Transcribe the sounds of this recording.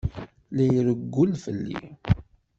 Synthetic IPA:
læjɾəɡːʊlfəlːḭ

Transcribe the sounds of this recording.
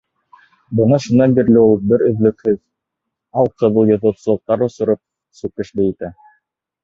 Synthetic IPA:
bɤ̆ɴɑʃunːɑnbiɾlɘulˠbɘɾɵ̆ðlɵ̆khɘð | ɑlˠqɤ̆ðɤlˠjŏðŏt̪sɤ̆lˠɤ̆q̚t̪ɑɾŏsŏɾɤp̚ | sʉk̚kɘ̆ʃb̪ɘit̪æ

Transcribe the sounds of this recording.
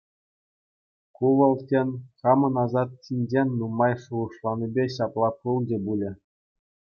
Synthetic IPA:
kuʋɤ̆lˠtʲenʲχɑmɤ̆nɑzɑt̪̚ɕinʲd͡ʑenʲːumɑjʂuɤ̆ʂlˠɑnʲibʲeɕɑplˠɑpɯlˠd͡ʑĕbulʲɘ̆

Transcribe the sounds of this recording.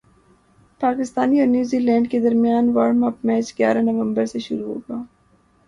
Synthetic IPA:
paːkɪst̪aːniɔːɾnjuːziːlɛ̃ːɳɖked̪ɐɾmijaːnʋaɾmɐpmɛːt͡ʃɡja̰ːɾanɐʋə̃mbəɾseʃʊɾuɦo̰ɡaː

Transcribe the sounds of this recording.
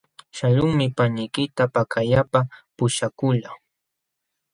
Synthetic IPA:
ʃaʎʊŋmɪpaɲɪjkɪt̪apakʰajapapʊʃakʊʎa

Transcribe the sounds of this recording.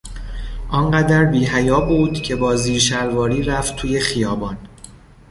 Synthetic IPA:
ʔɒnɢæd̪æɾbiːɦæjɒːbuːd̪̥cʰe̞bɒːziːɾʃæɾvɒːɾiːɾæft̪ʰuːje̞χijɒːbɒːn

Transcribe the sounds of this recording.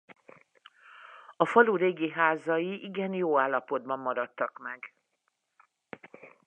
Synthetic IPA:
ɒfɒluɾeːɡiɦaːzɒjiʔiɡɛnjoːaːlːɒpo̞d̪̚bɒmːɒɾɒt̪ːɒkmɛɡ

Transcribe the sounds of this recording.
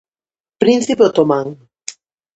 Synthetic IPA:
pɾĩnθipeot̪omaŋ

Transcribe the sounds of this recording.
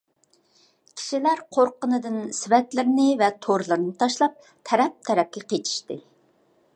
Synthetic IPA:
kʲʰi̥ʃilæɾqʰoɾqənɨd̪ɨnsɪvɛt̪lɪɾɪnɪvɛt̪ʰoɾlˠɨɾnɨt̪ʰɑʃlˠɑp̚ | t̪ʰɛɾɛp̚t̪ʰɛɾɛp̚kʲɛqʰet͡ʃ̪ʰi̥ʃt̪ɨ

